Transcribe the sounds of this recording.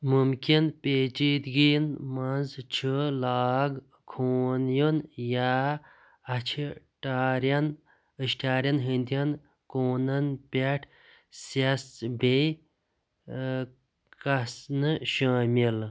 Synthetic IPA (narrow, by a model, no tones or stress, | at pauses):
mumkinpʲeːt͡ʃiːt̪ɡinmɐnzt͡ʃʰəlaːɡ | kʰoːnjunja | ɐt͡ʃʰi | ʈaːɾjɐn | əʃʈʰaːɾʲjɐnɦind̪jɐn | koːnɐnpʲeʈʰ | sɐsbej | kɐsnɨʃaːmil